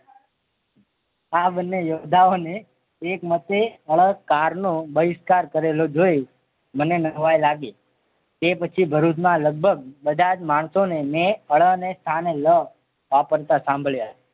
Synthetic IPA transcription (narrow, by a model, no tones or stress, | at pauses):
aɓənːejod̪ʱaoneː | kmət̪eəɭəɡkaɾnõbəɪskaɾkəɾelod͡ʒoj | mənenəʋajlaɡe | t̪epət͡ʃʰibʱəɾut̪mãləɡ̚bʱəɡ̚bəd̪ʱad͡ʒmaɳsonemeəɭənest̪ʰanelə | ʋapəɾt̪asãmbʱɭja